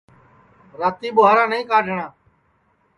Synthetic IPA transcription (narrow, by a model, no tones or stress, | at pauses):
ɾaːt̪iːɓʊːɦaːɾãːnəĩːkaːɖʱəɳãː